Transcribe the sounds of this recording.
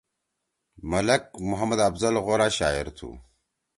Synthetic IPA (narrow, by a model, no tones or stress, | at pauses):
mɐlɐk̚mʊɦɐmɐd̪ɐbzɐlɣoːɾaːɕaːiɾt̪ʰṵː